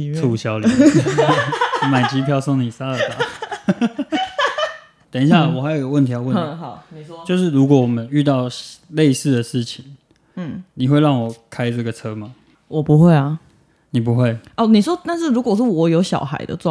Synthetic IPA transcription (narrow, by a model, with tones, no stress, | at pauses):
t͡sʰu˥˨˩ɕjɑ˥ʊli˦˧ | ma˨˩ɪt͡ɕi˥pʰjɑ˥˧ʊsɔ˥˩ŋni˨˩sa˦ə˨˩pa˨˦ | t̪ə˨ni˧ɕja˥˨la˨˩wɔ˨˩a˧˥ɪjo˨˩jo˨˩wə˥˨nt̪ʰi˨˥ja˥˧wə˥˨˦ɦɑ˨˩˦ʊme˨˩˦t͡ɕjo˥˧ʊʂ̬ɻ̩˥˩ɻu˧˥kwɔ˨˦wɔ˨˩mə˦ny˥˧t̪ɑ˥˨ʊɕle˥˧ɪsɹ̩˥˩d̪ə˩ʂɻ̩˥˩t͡ɕʰi˨˦ŋ̩˥˩ | ni˨˩xwe˥˧ɪɻɑ˥˩ŋwɔ˨˩kʰa˦ɪʈ͡ʂɤ˥˩ɡə˩t͡sʰɤ˦˥ma˨ | wɔ˨˩pu˧˦xwe˥˩ɪɐ˩ | ni˨˩p̬u˨˦xwe˥˩ɪɔ˥˩ni˨˩ʂwɔ˥t̪a˥˧nʂ̬ɻ̩˥˩ɻu˧˥kwɔ˨˩ʂɻ̩˥˩wɔ˨˥jo˧˥ʊɕjɑ̰˨˩ʊxa̰˧˦ɪd̪ə̰˨ʈ͡ʂwɑ˥˨